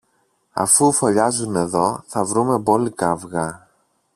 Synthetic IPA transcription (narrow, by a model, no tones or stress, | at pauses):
ɐ̰fufo̞ʎɐzune̞ðo̞θɐvɾume̞bo̞likɐvɣɐ